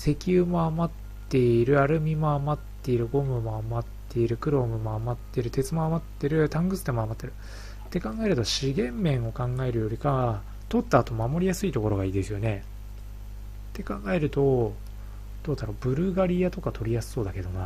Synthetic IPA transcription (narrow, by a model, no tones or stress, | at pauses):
se̞kʲɯːmo̞amat̪ː | e̞iɾɯ̟aɾɯ̟mʲimo̞amat̪ːe̞iɾɯ̟ɡo̞mɯ̟moamat̪ːe̞iɾɯ̟kɯ̟ɾo̞mɯ̟mo̞amat̪ːe̞ɾɯ̟t̪e̞t͡sɨmoamat̪ːe̞ɾɯ̟t̪ãŋɡɯ̟t͡sɨd̪emo̞amat̪ːe̞ɾɯ̟ | t̪ːe̞kãŋɡae̞ɾɯ̟t̪o̞ɕiɡẽ̞mːẽ̞ɰ̃o̞kãŋɡae̞ɾɯ̟jo̞ɾʲikaa | t̪o̞t̪ːaːt̪o̞mamo̞ɾʲijasɨit̪o̞ko̞ɾo̞ɡaiːd̪e̞sɨjo̞ne̞ | t̪ːe̞kãŋɡae̞ɾɯ̟t̪o̞ | d̪̥o̞ːd̪aɾo̞bɯ̟ɾɯ̟ɡaɾʲiat̪o̞kat̪ʰo̞ɾʲijasɨ̥so̞ːd̪ake̞d̪o̞na